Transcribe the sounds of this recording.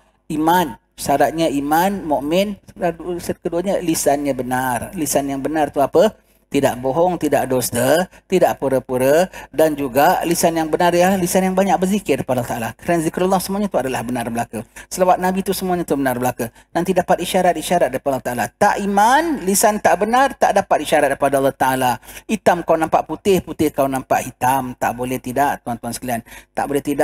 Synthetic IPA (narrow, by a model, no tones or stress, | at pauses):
iman | ʃaɾat̪̚ɲəimanmomɛn | səkəduəɲəlisanɲəbənarlisanjaŋbənart̪uapə | t̪idaʔboɦɔŋt̪idaʔdɔsd̪ət̪idaʔpuɾəpuɾədand͡ʒuɡalisanjaŋbənarjalisanjaŋbaɲak̚bərzikɪrpadat̪aʔalakəɾanazikɾalːɔhsəmuaɲat̪uadalahbənarbəlakəsəlawat̪̚nabit̪usəmuaɲat̪ubənarbəlaku | nant̪idapat̪iʃaɾat̪̚iʃaɾat̪̚daɾipadlt̪aʔalat̪aʔimanlisant̪aʔbənart̪a̰ʔdapat̪̚iʃaɾat̪̚daɾipadaalːɔht̪aʔalait̪amkawnãmpaʔput̪ɪhput̪ɪhkawnãmpaʔhit̪amt̪aʔbolɛht̪idaʔt̪uant̪uansə̥kəliant̪a̰ʔbolɛht̪idaʔ